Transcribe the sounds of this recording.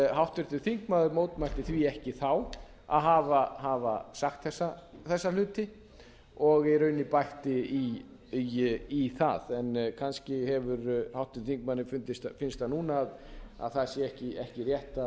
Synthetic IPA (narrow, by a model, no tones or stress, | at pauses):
ɦawht̪ʏɾt̪ʏθiŋkmaːðʏɾmoːwt̪majlt̪ɪθviːɛhcɪθaw | a̰ðɦavaɦavasaxkt̪θɛsːaθɛsːalʏːt̪ɪ | ɔɣɛɾœːɥnɪpajht̪ɪi | iθa̰ðɛnkʰanscɪhɛvʏɾhawht̪ʏɾθiŋk̚manːɪfʏnt̪ɪst̪fɪnst̪anuːnaːða̰ðθasjɛɛhcɪɛhcɪrjɛht̪a